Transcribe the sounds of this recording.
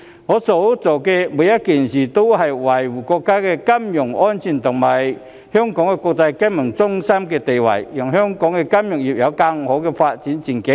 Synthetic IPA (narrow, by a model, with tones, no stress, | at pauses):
ŋɔ˨˥˦so˨˧wt͡so˨˩kɛ˧mu˨˦jɐ˦˥t̚ki˨˩nɕiː˨˩t̪o˥whɐ˨jwɐ˨˩jwu˨˩kɔ˧kːaː˥kɛ˧kɐ˥mjʊ˨˩ŋʔɔ˥nt͡ɕʰi˨˩nt̪ʊ˨˩ŋmɐ˨˩j | hjœ˥ŋkɔː˨˥ŋkɛ˧kɔ˧k̚t͡sa˧jkɛ˥nmə˨˩ŋt͡sʊ˥ŋsɐ˥mkɛ˧t̪e˨˩jwɐ̰˨˩jjɔ˨˩ŋɦœ˥ŋkɔː˨˥ŋkɛ˧kɐ˥mjʊ˨˩ŋji˨˩p̚ja˨˧˥wkɐ˧ŋho˨˥wkɛ˧faː˧t̚t͡ɕi˨˦nt͡ɕi˨˩nke˨˦